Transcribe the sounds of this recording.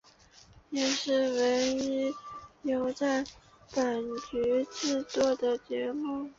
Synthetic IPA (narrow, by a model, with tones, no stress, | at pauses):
jɛ˥˩ʂɻ̩˥˩we˧˥ɪi˧˥jo˧˥ʊt͡sa˥˩ɪ | pa˨˩nt͡ɕy˧˥ʈ͡ʂɻ̩˥˧t̪wɔ˥˩d̪ə˨t͡ɕjɛ˧˥mu˥˩